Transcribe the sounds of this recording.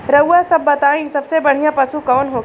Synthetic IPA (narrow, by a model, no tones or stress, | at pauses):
ɾɐʊasɐbːɐt̪aːĩsɐbsebɐɽ̤ijãpɐsukɔːnɦoː